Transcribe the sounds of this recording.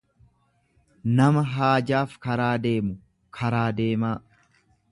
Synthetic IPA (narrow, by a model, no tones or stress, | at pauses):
nɐmɐɦaːd͡ʒaːfkɐɾaːd̪e̞ːmʊ | kʰɐɾaːd̪eːmaː